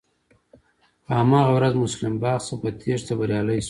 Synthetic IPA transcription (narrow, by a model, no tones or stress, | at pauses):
amɑɣawɾazmʊslɪmbɑːqsəpət̪ʰeʐt̪abaɾjɑləjs